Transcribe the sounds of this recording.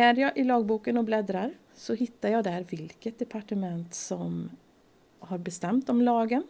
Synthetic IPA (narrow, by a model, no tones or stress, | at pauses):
æɾjɑːʔɪlɑːɡ̚buːkənɔblɛd̪ɾaɾ | sɔɦɪt̪ːaɾjɑːd̪æhæɾvɪlkət̪̚d̪ɛpʰaʈəmɛnt̪sɔm | haɾbɛst̪ɛmt̪ɔmlɑːɡən